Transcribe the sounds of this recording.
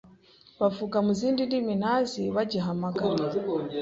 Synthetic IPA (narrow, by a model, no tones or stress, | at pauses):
βavukamuziːndindiminaziβaɟiɦamaɡa